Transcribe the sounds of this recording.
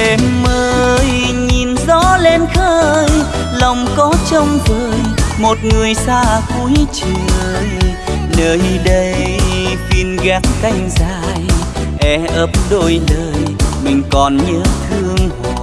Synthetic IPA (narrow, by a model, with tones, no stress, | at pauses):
e˨˧mməː˧j | ɲi˨˩nzɔ˧˦˥le˧nxəː˧j | lə˨˩wŋ͡mkɔ˨˦t͡ɕə˧wŋ͡mzəː˧˨jmo˨˩t̚ŋɨ˨˩əjsaː˧ku˧˦jt͡ɕə˨˧˩j | nəː˨˩jɗə˧jfi˧nɣaː˨˦˥k̚ka˧jŋ̟zaː˧˨j | ʔɛ˧˩ʔə˨˦˥p̚ɗo˧jləː˨˩jmï˨˩ŋ̟kɔ˨˩nɲəː˨˦t̪ʰɨ˧əŋh